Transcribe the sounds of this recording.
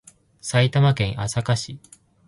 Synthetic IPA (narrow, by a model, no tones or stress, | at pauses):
sait̪amakẽ̞ʔasakaɕi